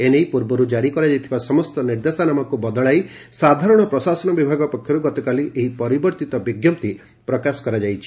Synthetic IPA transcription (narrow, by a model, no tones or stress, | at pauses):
enejpuɾbɔɾud͡ʒaɾikɔɾad͡ʒajt̪ʰibasɔmɔst̪ɔniɾd̪esanamɔkubɔd̪ɔɭaj | sad̪ʱaɾɔɽ̃ɔpɾɔsasɔnɔbibʱaɡɔpɔkʰjɔɾuɡɔt̪ɔkaliʔeɦipɔɾibɔɾt̪it̪ɔbiɡjɔp̚t̪i | pɾɔkasɔ̥kɔɾad͡ʒajt͡ʃʰi̥